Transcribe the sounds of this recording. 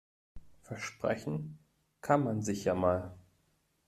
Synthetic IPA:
fɛɐʃpʁ̥ɛ̰çn̩ | kʰanmanzɪçjaːmaːl

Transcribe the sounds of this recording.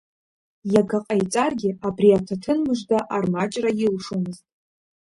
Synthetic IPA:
jakʰaqʼajt͡sʼarɡʲɪabriatʰatʰɨnmɨʒdaʔarmat͡ʃʼrajɪlʂomɨztʼ

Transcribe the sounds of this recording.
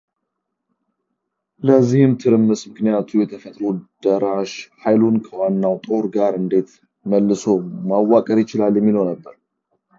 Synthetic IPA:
ləzːihɨmt̪ʰɨɾɨmːɨsmɨknijat̪ʰujɛt̪ʰəfət̪ʼɾod̪̥əɾaʃhajlunkʰəwanːawt̪ʼo̞ɾɡaɾɨnd̪e̞t̪ | məlːɨsomawːakʼəɾjɪt͡ʃɪlaljɛmːiləwnəbːəɾ

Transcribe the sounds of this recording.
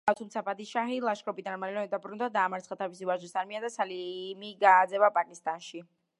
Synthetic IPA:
at̪ʰumt̪sʰapʼad̪iʃaɦilˠaʃkʼɔpʼid̪anmalɛlɛmɛd̪abɾund̪ad̪aːmaɾt̪sχat̪ʰavisivaʒisaɾmiad̪asalimiɡaːd̪zɛbapʼakʼist̪ʼanʃi

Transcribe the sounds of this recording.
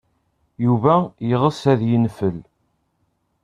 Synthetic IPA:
juvæjəʁəsæðjənfəl

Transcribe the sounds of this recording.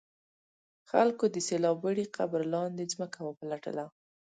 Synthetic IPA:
xalkod̪əselɑbəɽiqʰabɾlɑnd̪ezməkawapəlaʈə̰la

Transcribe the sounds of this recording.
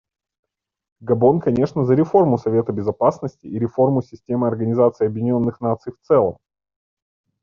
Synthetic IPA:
ɡɐbo̞nkɐnʲe̞ʂnəzəɾʲɪfo̞rmʊsɐvʲe̞t̪əbʲɪzɐpasnəsʲtʲɪiɾʲɪfo̞rmʊsʲɪsʲtʲe̞mɨɐrɡənʲɪzat̪sɨɪɐbjʲɪnʲo̞nːɨxnat̪sɨjft̪sɛlˠə̰m

